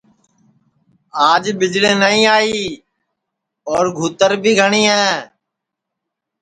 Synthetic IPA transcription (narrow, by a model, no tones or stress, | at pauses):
aːd͡ʒbɪd͡ʒlẽːnəɦĩːaːiː | ɔːɾɡʱuːt̪əɾbʱiːɡʱəɳiːɦɛː